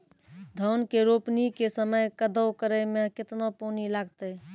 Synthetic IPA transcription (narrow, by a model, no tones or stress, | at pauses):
d̪ʱənkeɾopnikesəməjkəd̪ʱəwkəɾɛmekɪt̪noponilaɡt̪ɛ